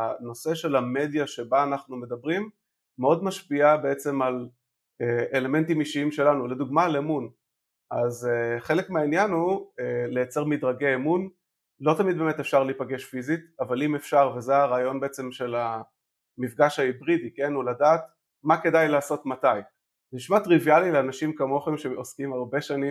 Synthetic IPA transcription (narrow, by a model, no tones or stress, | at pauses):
ano̞se̞ʃe̞lame̞djaʃe̞baːnaχnume̞dabʁimː | eo̞dmaʃpiabe̞et͡se̞mal | eele̞me̞ntimiʃiimʃe̞lanule̞duɡmalemun | ʔazχe̞lekmeainjanuele̞jat͡seʁmidʁaɡeːmun | lo̞tamid̪̚bemet̪efʃaʁlipaɡe̞ʃfizit̪avalime̞fʃaʁvezeaʁaːjo̞nbe̞et͡se̞mʃela | mifɡaʃaibʁidike̞nuladaːt | make̞dajlaːso̞tmataj | niʃmat̪ʁivialileanaʃimkamo̞χemʃeoskimaʁbe̞ʃanim